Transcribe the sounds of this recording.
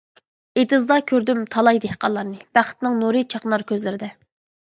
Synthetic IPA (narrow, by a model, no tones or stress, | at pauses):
et̪ɨzd̪ɑkʲʰøɾd̪ymt̪ʰɑlˠɑjd̪ehqɑnlˠɑɾnɨb̥æχt̪nɪŋnuɾɨt͡ʃʰɑqnɑɾkʲʰøzlɪɾɪd̪ɛ